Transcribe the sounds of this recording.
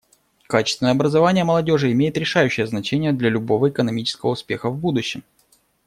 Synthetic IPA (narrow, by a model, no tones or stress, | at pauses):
kat͡ɕɪ̥st̪vʲɪnəjɐbɾəzɐvanʲɪjəməlˠɐdʲo̞ʐɨɪmʲejɪt̪ɾʲɪʂajʉɕːɪjəznɐt͡ɕenʲɪjəd̪lʲɐlʲʊbo̞vəɪkənɐmʲit͡ɕɪ̥skəvəʊspʲe̞̰xəvbud̪ʊɕːɪm